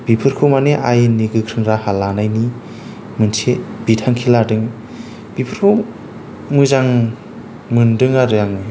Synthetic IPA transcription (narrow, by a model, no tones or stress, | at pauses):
b̥ipʰɯɾkʰɯmaneʔajniɡɯkʰɾɯŋɾahalanajni | mɯnsʰeb̥itʰaŋkʰiladɯŋ | b̥ipʰɯɾkʰɯm | mɯzaŋ | mɯndɯŋaɾɯjaŋɯ